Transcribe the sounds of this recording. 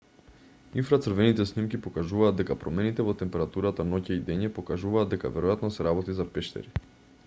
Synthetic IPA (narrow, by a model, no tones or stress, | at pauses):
infɾat̪səɾvɛnit̪ɛsnimkipokaʒuvaːd̪ɛkapɾɔmɛnit̪ɛvɔt̪ɛmpɛɾat̪uɾat̪anocaid̪ɛɲɛpokaʒuvaːd̪d̪ɛka̰vɛɾojat̪nɔsɛɾabɔt̪izapɛʃt̪ɛ̰ɾi